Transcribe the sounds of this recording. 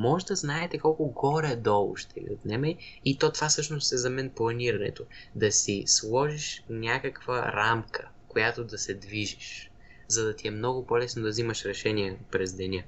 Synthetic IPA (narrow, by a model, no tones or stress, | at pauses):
mɔʒd̪ɐznaɛt̪ɛkɔlˠkʊɡɔɾɛd̪ɔlˠʊ̰ʃt̪ɛvḭot̪nɛmɛ | it̪ɔt̪vasɤʃnost̪ɛzɐmɛnplˠɐniɾɐnɛ̰t̪od̪ɐsislˠɔʒiʃnʲakəkv̥ə̰ɾamkʰə̥ | kojat̪od̪ɐsɛd̪viʒiʃ | zɐd̪ɐt̪iɛmnɔɡʊpɔlɛsnod̪ɐvziməʃɾɛʃɛniɛpɾɛzd̪ɛnʲa